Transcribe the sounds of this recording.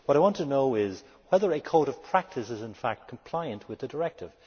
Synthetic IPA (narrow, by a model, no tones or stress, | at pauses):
wʌɾaɪwɑ̃ntʰɨnoʊɪz | wɛðə˞ɨkʰoʊɾʌv̥pʰɹ̥æk̚tʰɨsɨzɨ̃nfæk̚t̚kʰm̩pʰl̥aɪɨ̃nʔwɨðɨdə˞ɛk̚tʰɪv̥